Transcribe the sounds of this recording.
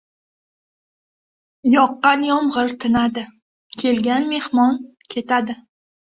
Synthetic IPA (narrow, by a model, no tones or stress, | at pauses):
jɒqːɑnjɒmʁɨɾt̪ʰɪnad̪ɪ | kʲʰe̞lɡʲanme̞hmɒn | kʲʰe̞t̪ʰad̪ɪ